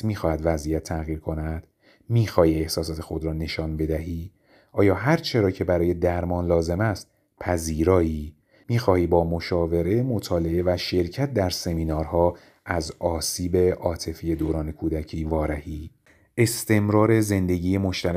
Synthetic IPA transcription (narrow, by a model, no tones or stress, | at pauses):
miːxɒːhæd̪væzʔijæt̪ʰːæɣiːɾkʰo̞næd̪̥ | miːxɒːhiːe̞hsɒːsɒːt̪ʰe̞xo̞d̪ɾɒːne̞ʃɒːnbe̞d̪æɦiː | ʔɒːjɒːɦæɾt͡ʃʰe̞ɾɒːcʰe̞bæɾɒːje̞d̪æɾmɒːnlɒːze̞mæst̪ | pʰæziːɾɒːiː | miːxɒːhiːbɒːmoʃɒːve̞ɾe̞mot̪ʰɒːle̞evæʃe̞ɾcʰæt̪̚ʰd̪æɾse̞miːnɒːɾhɒː | ʔæzɒːsiːbeʔɒːt̪ʰe̞fije̞d̪oːɾɒːne̞kʰuːd̪æcʰiːvɒːɾæhiː | e̞st̪ʰe̞mɾɒːɾe̞ze̞nd̪e̞ɟiːje̞mo̞ʃt̪ʰæɾ